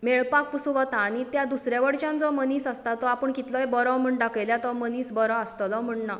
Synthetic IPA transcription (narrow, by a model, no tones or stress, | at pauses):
meɭpak̚pusuʋət̪aːñit̪jad̪usɾjaʋəɽt͡ɕjãnd͡zɔməniːsast̪at̪ɔapəɳkit̪lɔjbɔɾɔ̃m̤əɳɖakeljat̪ɔməniːsbɔɾɔəst̪lɔm̤əɳna